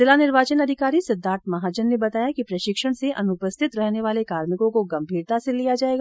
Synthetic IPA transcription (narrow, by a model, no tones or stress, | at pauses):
sɪlanɪɾʋaːt͡ʃənɐd̪ʱɪkaːɾisɐd̪ʱːaːɾt̪ʰmɐɦaːd͡ʒənːebɐt̪aːjakipɾɐʃɪkʃəɽ̃seʔɐnʊpəst̪ʰɪt̪ɾɛɦneʋaːlekaːɾmɪkõkoɡɐ̃mbʱiːɾt̪aːselijad͡ʒaːeːɡaː